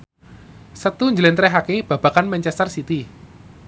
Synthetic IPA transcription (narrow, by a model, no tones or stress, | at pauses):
sət̪uɲd͡ʒəlɛnɾɛɦakeb̥a̤b̥a̤kanmɛɲt͡ʃɛst̪ərsit̪i